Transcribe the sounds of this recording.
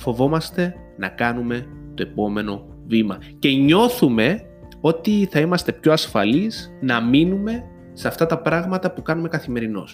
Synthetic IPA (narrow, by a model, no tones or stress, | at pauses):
fo̞vo̞mɐst̪e̞ | nɐ̰kɐnume̞t̪o̞e̞po̞me̞no̞ | vimɐce̞ɲo̞θume̞ | o̞t̪iθɐimɐst̪e̞pço̞ɐsfɐlisnɐminume̞ | seɐft̪ɐt̪ɐpɾɐɣmɐt̪ɐpukɐnume̞kɐθime̞ɾino̞̰s